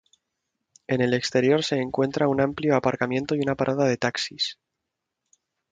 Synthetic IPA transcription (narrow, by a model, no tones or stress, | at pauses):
e̞ne̞le̞kst̪e̞ɾjo̞ɾse̞ːŋkwe̞nt̪ɾaunampljo̞apaɾkamje̞nt̪o̞junapaɾʔaðaðe̞t̪aksis